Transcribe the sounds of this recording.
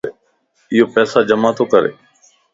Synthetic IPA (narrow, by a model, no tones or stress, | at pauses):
ɪɦoːpɛːsaːd͡ʒəmaːt̪ʰoːkəɾḛː